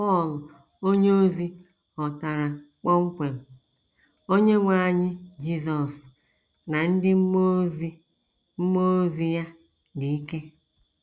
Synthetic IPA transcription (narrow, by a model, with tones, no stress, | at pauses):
pɔ˦˨lʊ˨ | o˦ɲe˦o˦zi˦ | ɔ˨ta˨ɾa˨k͡pɔ˦ŋ͡m̩˦kʷe˨m̩˨ | o˦ɲe˦ŋʷa˨ɲɪ˦d͡ʒi˦zɔ˨s | na˨n̩˦dɪ˦m̩˦mo˦zi˦ | m̩˦mo˦zi˨ja˦ | di˨i˦ke˦